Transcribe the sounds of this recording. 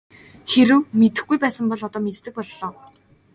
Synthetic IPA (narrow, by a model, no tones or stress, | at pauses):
xeɾɘ̆wmet̪ɘ̆xɡujpæːsə̆mpɔɮɔt̪ɔːmet̪ʰːɘ̆k̚pɔɮːɔː